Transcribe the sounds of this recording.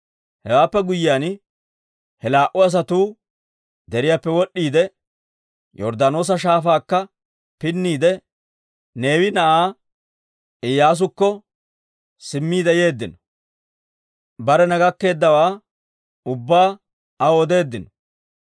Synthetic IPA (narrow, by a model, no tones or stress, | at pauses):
hɛwaːpːɛɡʊjːɪjaːn | hɛlaːʔʊɐs̬ɐt̪uː | d̪ɛɾɪjaːpːɛwɔɗːiːd̪ɛ | jɔɾd̪ɐno̞ːs̬ɐʃ̬aːfaːkːɐ | pɪnːiːd̪ɛ | ne̞ːwɪnɐʔaː | ɪjːaːs̬ʊkːɔ | sɪmːiːd̪ɛje̞ːd̪ːɪnɔ̥ | bɐɾɛnɐɡɐkːe̞ːd̪ːɐwaː | ʊbːaː | ɐɔd̪e̞ːd̪ːɪnɔ̥